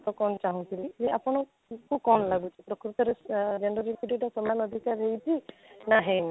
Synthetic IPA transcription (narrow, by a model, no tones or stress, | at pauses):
t̪ɔkɔnɔt͡ʃaɦũt̪ʰilid͡ʒeapɔñɔ | kukɔnlaɡut͡ʃʰipɾɔkɾut̪ɔɾed͡ʒenɖɔɾibɖiʈasɔmanɔd̪ʱikaɾɦejtinaɦen